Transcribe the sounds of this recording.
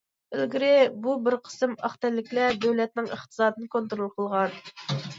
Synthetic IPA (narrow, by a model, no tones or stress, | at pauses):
ɪlɡʲiɾɪbubɪɾqʰə̥sɨmɑχt̪ɛlːɪkʲlɛd̪øwlɛt̪nɪŋə̰χt̪ʰə̥sɑːd̪ɨnɨkʰont̪uɾolˠqʰəlˠʁɑn